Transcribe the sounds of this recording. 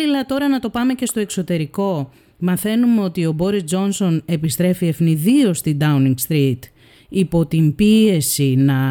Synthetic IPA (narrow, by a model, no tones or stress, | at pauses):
ilɐt̪o̞ɾɐnɐt̪o̞pɐme̞ce̞st̪o̞e̞kso̞t̪e̞ɾiko̞ | mɐθe̞numeo̞t̪io̞bo̞ɾizd͡ʒo̞nso̞ne̞pist̪ɾe̞fiefniðio̞st̪id̪ɐuniŋɡst̪ɾit̪ | ipo̞t̪imbie̞sinɐ